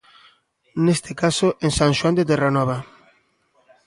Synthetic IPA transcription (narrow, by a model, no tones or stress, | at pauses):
nest̪ekasoʔeŋsãŋʃwand̪et̪eranɔβa